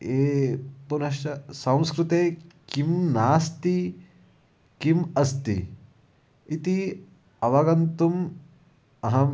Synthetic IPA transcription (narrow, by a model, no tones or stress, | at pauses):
eːpunɐʃɐsɐ̃w̃skɾut̪eːkimnaːst̪i | kimɐst̪ḭ | it̪i | ɐʋɐɡɐnt̪um | ɐɦɐm